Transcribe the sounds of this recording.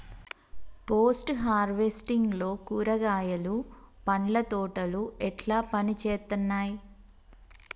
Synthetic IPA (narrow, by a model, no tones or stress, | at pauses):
poːsʈɦaːɾʋesʈiŋɡlo̞ːkuːɾɐɡaːjɐlupɐɳlɐt̪ɔːʈɐluɛʈlaːpɐnit͡ʃeːt̪unːaːji